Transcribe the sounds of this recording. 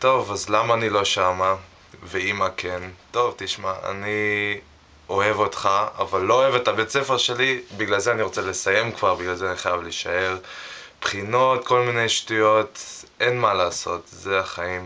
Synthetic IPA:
to̞vazlamaːnilo̞ʃama | veimakento̞vtiʃmaa̰ni | oe̞vo̞tχaa̰valːo̞oe̞vetabet͡sefeʁʃe̞libiɡlalzeaniʁot͡sele̞saje̞mkvaʁbiɡlalzeaniχajavliʃae̞ʁpχino̞tko̞lminejʃtujo̞tʔenmalaːso̞tzeaχaim

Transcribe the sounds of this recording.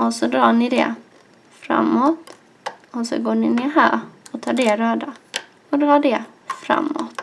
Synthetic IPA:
ɔsɔd̪ɾɑːɳɪd̪ɛ̰ | fɾa̰mːoːt̪ | ɔsɔ̰ɡoːɳɪnɪɦæːɾɔt̪ʰɑːɖɛɾøːd̪a | ɔd̪ɾɑːɖɛ | fɾa̰mːo̰t̪

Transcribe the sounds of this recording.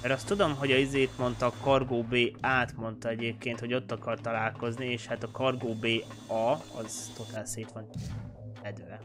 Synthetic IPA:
ɛɾɒst̪ːud̪o̞mɦo̞ɟɒizeːt̪mo̞nt̪ɒkɒrɡoːbeːaːt̪mo̞nt̪ɒɛɟeːp̚keːnt̪ho̞ɟo̞t̪ːɒkɒrt̪ɒlaːlko̞znieːʃhat̪ɒkɒrɡoːbeː | ɒɒ̰zt̪o̞t̪aːlseːt̪ʋɒn | ɛd̪ʋɛ

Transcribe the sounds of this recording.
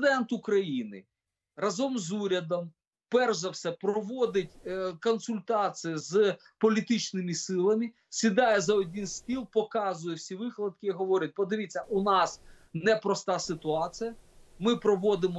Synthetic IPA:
d̪ɛnt̪ukɾɐjinɪ̰ | rɐzɔmzuɾʲɐd̪ɔm | pɛrʒɐwsɛpɾɔʋɔd̪ɪtʲkɔnsʊlʲt̪ɑt͡s̪ʲijiz | pɔlʲit̪ɪt͡ʃnɪmɪsɪlˠɐmɪ | sʲid̪ɑjɛzɐɔdʲinsʲtʲilˠpɔkɑzʊjɛwsʲiʋɪxlˠɐd̪̚kɪiɦɔʋɔɾʲɐt̚ʲpɔd̪ɪʋʲit͡sʲːɐʔunɑsnɛpɾɔst̪ɑsɪt̪ʊɑt͡sʲijɐmɪpɾɔʋɔd̪ɪmɔ

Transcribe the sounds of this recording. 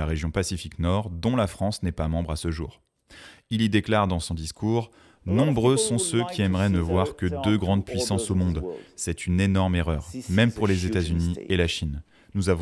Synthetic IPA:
aʁeʒjɔ̃pasifiknɔʁd̪ɔ̃lafχɑ̃snɛpamɑ̃bʁasəʒṵːʁ | ilid̪eklaʁd̪ɑ̃sɔ̃d̪iskʰuːʁ | nɔ̃bʁøsɔ̃søkʲʰiɛmʁɛnəvwaʁkəd̪øɡʁɑ̃d̪̚pɥisɑ̃somɔ̃d̪sɛt̪ʰynenɔʁmeʁœʁmɛmpuʁlezet̪azynielaʃin | nuzaṽ

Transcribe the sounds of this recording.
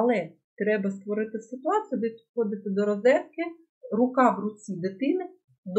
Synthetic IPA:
ɐlˠɛ | t̪ɾɛbɐst̪ʋɔɾɪt̪ɪsɪt̪ʊɑt͡sʲijud̪ɛpʲi̥d̪xɔd̪ɪt̪ɪd̪ɔɾɔzɛrkɪ | rʊkɑʋrʊt͡sʲid̪ɪt̪ɪnɪ | d̪

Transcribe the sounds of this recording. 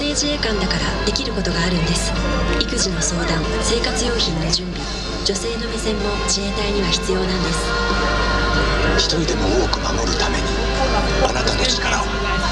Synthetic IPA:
ne̞ʑiekãnd̪akaɾad̪e̞kʲiɾɯ̟ko̞t̪o̞ɡaːɾɯ̟̃nd̪e̞sɨ̥ikɯ̟ʑino̞so̞ːd̪ãɰ̃ | se̞ːkat͡sɨjo̞ːçĩnːoʑɨ̃mbʲi | d͡ʑo̞se̞ːno̞mʲisẽ̞mːo̞d͡ʑiet̪aiɲ̟iβaçi̥t͡sɨjo̞ːnãnd̪e̞sɨ̥ | çi̥t̪o̞ɾʲid̪e̞mo̞oːkɯ̟manoɾɯ̟t̪ame̞̰ɲ̟i | a̰nat̪ad̪e̞sɨ̥kaɾa

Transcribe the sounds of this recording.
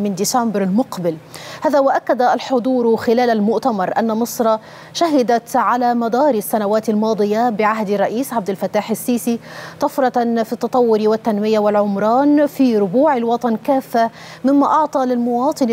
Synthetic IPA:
mɪnd̪isambɾalmʊqbɪlhaːðawaʔakːad̪alħʊd̪ˤuːɾxɪlaːlalmʊʔt̪amɑɾˤʔanːamɨsˤɾˤɑ | ʃaɦɪd̪at̪ʕalamad̪ɑːɾisːanawaːt̪almɑːd̪ˤɨjabɪʕaɦd̪arˤːɑʔiːsʕab̚d̪ɪlfat̪ːaːħɪsːiːsit̪ˤɑfɾˤɑfit̪ːɑt̪ˤɑwːʊɾiwɪt̪ːanmɪjawɪlʕʊmɾˤɑːnfiɾʊbuːʕɪlwɑt̪ˤɑnkaːfːa | mɪmːaʔɑʕt̪ˤɑlɪlmʊwɑːt̪ˤɨn

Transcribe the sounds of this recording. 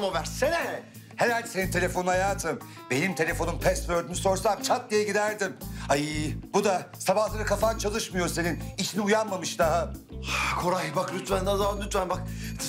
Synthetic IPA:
movæɾsenɛ | heɾalʲd̪ise̞nint̪ʰe̞lʲe̞fo̞nhajaːt̪ʰɯm | be̞nimt̪ʰe̞lʲe̞fo̞numpʰɛst̪vøɾd̪yːnyso̞ɾsamt͡ʃʰat̪̚d̪ijɛɟid̪æɾd̪imaibud̪asabahlˠaɾɯkʰafant͡ʃʰalˠɯʃmɯjo̞ɾse̞ninit͡ʃʰiniujanmamɯʃd̪aɦa | kʰoɾajbaklʲyt̪vænd̪azaanlʲyt̪vænbak̚

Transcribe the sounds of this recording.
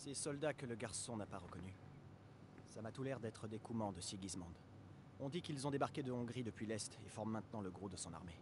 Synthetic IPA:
sɛsɔld̪akələɡaʁsɔ̃napaʁəkɔny | samat̪ulɛʁd̪ɛt̪χəd̪ekumɑ̃d̪əsiɡʲizmɑ̃d̪ | ɔ̃d̪ikilzɔ̃d̪ebaʁkʲed̪əɔ̃ɡʁid̪əpɥilɛst̪efɔʁmːɛ̃t̪nɑ̃ləɡʁod̪əsɔ̃na̰ʁme

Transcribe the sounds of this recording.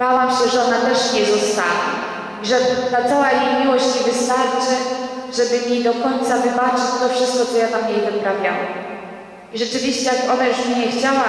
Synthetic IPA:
bawamɕɛʐɛɔnat̪ɛʂɲɛzɔst̪avʲḭ | iʐɛt̪at̪sawajejmʲiwɔɕt͡ɕɲɛvɘst̪aɾt͡ʂɘʐɛbɘɲed̪ɔkɔɲt̪savɘbat͡ʂɘt͡ɕt̪ɔfʂɘst̪̚kɔt̪ɔjad̪amjejvɘpɾavʲja̰wa̰ | iʐɛt͡ʂɘvʲiɕt͡ɕɛjakɔnajuʂmɲɛxt͡ɕawa

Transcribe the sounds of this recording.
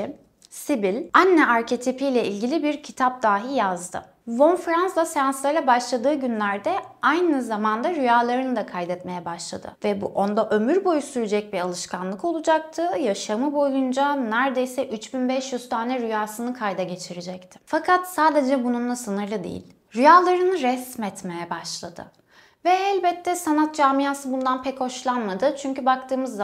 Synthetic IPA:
sibilʲanːɛʔaɾcʰet̪ʰipʰijlʲɛilʲɟilʲibiɾcʰit̪ʰap̚d̪aːɦijazd̪ɯ̰ | vo̞nfɾanslˠasjanslˠajlʲˠabaʃlˠad̪ɯːɟynlʲæɾd̪ɛajnɯzamand̪aɾyjaːlˠaɾɯnɯd̪akʰajd̪ɛt̪me̞jɛbaʃlˠa̰d̪ɯ̰vɛbuʔo̞nd̪aʔø̞myɾbo̞jusyɾyd͡ʒɛc̚biɾalˠɯʃkʰanlˠɯko̞lˠud͡ʒak̚t̪ʰɯjaʃamɯbo̞jund͡ʒanæɾd̪e̞jsɛʔyt͡ʃbinbɛʃjyz̥t̪ʰaːnɛɾyjaːsɯnɯkʰajd̪aɟe̞t͡ʃʰiɾed͡ʒɛct̪ʰɪ̥fakʰat̪saːd̪e̞d͡ʒɛbununlˠasɯnɯɾlˠɯd̪ḛjḭlʲ | ɾyjaːlˠaɾɯnɯɾɛsmɛt̪mejɛbaʃlˠad̪ɯ̰ | vɛɛlʲbɛt̪ʰːɛsanat̪̚d͡ʒaːmijaːsɯbund̪anpʰɛcho̞ʃlˠanmad̪ɯt͡ʃʰyɲcybak̚t̪ʰɯːmɯzː

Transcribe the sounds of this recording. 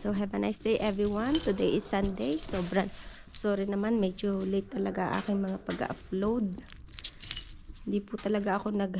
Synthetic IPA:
soɦɛvɐnʔajsd̪ejʔɛvɹiwɐnt̪ʊd̪ejʔɪsːɐnd̪ejsoːbɾɐn | soːɾinɐmanmɛd͡ʒolejt̪ːɐlɐɡaɐ̰ŋʔa̰ːkɪŋmɐŋapɐɡɐ̰ʔaplowd̪̚ | hɪnd̪ipʊt̪ɐlɐɡaʔɐko̞nɐɡ

